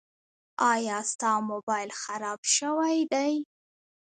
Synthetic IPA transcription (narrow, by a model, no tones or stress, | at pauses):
ɑjɑst̪ɑmobɑjɪlxaɾɑbʃəwajd̪aj